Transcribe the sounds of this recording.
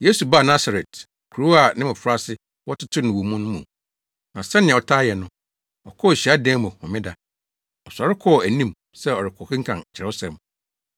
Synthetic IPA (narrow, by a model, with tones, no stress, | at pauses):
je˦su˨ba˦˨nã˦sa˨ɾɛ˨t | kʰu˨u˦a˨nɪ̃˦mʊ̃˨fʊ˦ɾa˦sɪ˦ | wɔ˦tʰɪ˦tʰʊ˦nʊ̃˨wu˨mũ˦nʊ̃˦mũ˨ | nã˨sɛ˦nɪ̃˨ɛ̃˨ɔ˨tʰaː˦jɛ˨nʊ̃˦ | ɔ̰˨kʰɔ˦˨ɕi˨˦a˦dɛ̃ː˦mũ˨hɔ̰̃˨mɪ̃˦da˨ | ɔ˨sa˨ɾɪ˦kʰɔ˦˨æ˨nĩ˦m | sɛ˦ɔ˨ɾɪ˨kʰɔ˨hɪ̃˦ŋ̩˦kʰã̰˨n˨t͡ɕʰɪ˨ɾɛ˨˦ɔ˦sɛ̃˨m